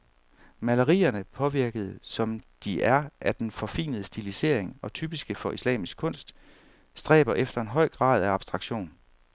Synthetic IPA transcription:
mæləʁḭːɐnəpʰɒ̽ʋiɐɡ̥əð̞̩ˠsɒ̽md̥iʔæɐʔæd̥enfɒ̽fḭːnəð̞ˠəsd̥ilise̝̰ɐ̰eŋɒ̽t͡sʰyːb̥isɡ̥əfɒ̽ʔislɛ̰ːmisɡ̥̚kʰɔ̽n̰sd̥ | sd̥ʁɛ̰ːb̥ɐʔefd̥ɐe̝nɦɒ̽ɪ̰ɡ̥ʁɑ̰̈ːð̞ˠæɑ̈b̥sd̥ʁɑ̈ɡ̥ɕo̝̰ːn

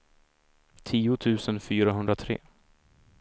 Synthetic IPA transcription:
t̪ʰiːʊt̪ʰʉ̟ːsənfyːɾaɦɵnd̪ɾat̪ʰɾḛː

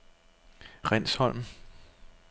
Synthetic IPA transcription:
ʁɛn̰shɒ̽l̰m̩

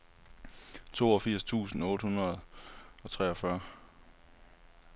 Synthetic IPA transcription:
t͡sʰo̝̰ːɒ̽fiɐ̰st͡sʰṵːsn̩ɔ̽ːd̥hunʁɐð̩ˠɒ̽t͡sʰʁɛɒfɶɐ

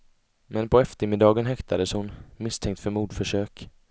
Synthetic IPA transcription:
mɛnpʰɔɛft̪əɾmɪd̪ɑːɡənɦɛkt̪ʰad̪əshʊnmɪst̪ʰɛŋk̚t̪fœɾmuːd̪fœʂøːk

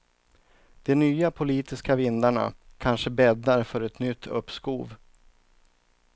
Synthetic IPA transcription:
d̪̥ɛnyːapʰʊliːt̪ɪskavɪnd̪aɳa̰kʰanʂəbɛd̪ːaɾfœɾɛt̪nʏt̪ʰːɵ̰pːskuːv

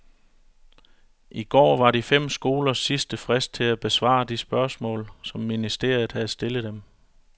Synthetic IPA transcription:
ʔiɡ̥ɒ̰ːʋɑ̈ɾifem̰sɡ̥o̝ːlɐsːisd̥əfʁasd̥̚t͡sʰe̝læb̥e̝sʋɑ̰̈ːd̥isb̥ɶɐsmɔ̰̽ːlsɒ̽mːinisd̥e̝̰ɐ̰jð̩ˠhæð̞̩ˠsd̥e̝ləð̩ˠd̥em

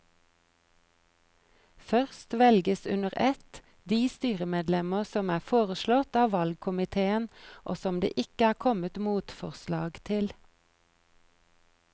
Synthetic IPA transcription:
fœʁst̪ʋɛlɡəsʉ̰nəʁɛt̪ | d̪iːst̪yːʁəmeːd̪lɛməʁsɔmæːfoːʁəʃlɔt̪ɑːʋɑlɡ̚kʰʊmɪt̪ʰeːənʔo̰ːsɔmd̪ḛːʔɪkəæːʁkʰɔmət̪muːt̪fɔʁslɑːɡt̪ʰɪl

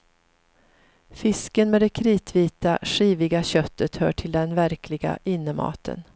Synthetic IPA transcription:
fɪskənmɛd̪ɛkʰɾiːt̪ʰviːt̪a̰ʂiːvɪɡaɕœt̪ʰːət̪hœ̰ːʈʰɪld̪ɛnvæɾkʰlɪɡa̰ʔɪnːəmɑ̰ːt̪ʰə̰n

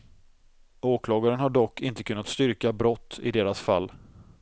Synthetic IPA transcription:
oːkʰlɑːɡaɾənhaɖɔkʰːɪnt̪ə̥kʰɵnːat̪st̪ʏɾkabɾɔt̪ːɪ̰d̪eːɾasfa̰lː

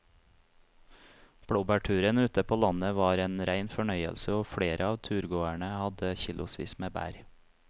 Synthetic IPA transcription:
b̥ɽuːbæʈʰʉːɾənʉːt̪əpʰoːlɑnəʋɑːɾeːnɾæɪnfɔɳœʏə̰lsəoːfɽeːɾʔəɑːʋt̪ʰʉːɾɡoːæɳəhɑd̪əçiːlʔʊsʋḭːsmeːbæ̰ːɾ

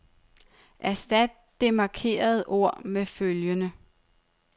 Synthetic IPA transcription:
ʔæsd̥æd̥̚ːe̝mɑ̈kʰe̝̰ːɐð̞ˠʔo̝ɐ̰meføljənə

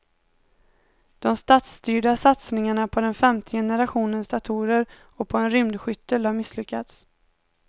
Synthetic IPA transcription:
d̪̥ɔmst̪aːt̪st̪yːɖasat̪snɪŋaɳapʰɔd̪ɛnfɛmt̪ʰəjɛnəɾaɧuːnənsd̪at̪ʰuːɾəɾ | ɔpʰɔɛnɾʏmd̪ɧʏt̪ːəlhaɾmɪslʏkːat̪s

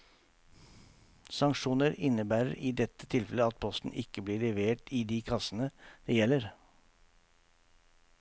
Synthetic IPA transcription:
sɑŋkʂuːnəɾɪnəbæːɾə̰ɾiːd̪ɛt̪ːət̪ʰɪlfɛləɑt̪̚pʰɔst̪n̩ʔɪkːəbliːɭɛʋeːʈiːd̪iːkʰɑsənəd̪̥ɛjɛlːəɾ

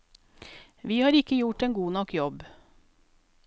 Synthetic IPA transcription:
ʋiːhɑːɾɪkəjʊʈeːnɡuːnɔkjɔb

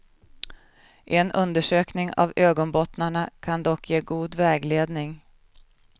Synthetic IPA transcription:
ʔɛnʔɵnd̪əʂøːknɪŋa̰vøːɡɔnbɔt̪naɳakʰand̪ɔkʰːjeːɡuːd̪vɛːɡleːd̪nɪŋ

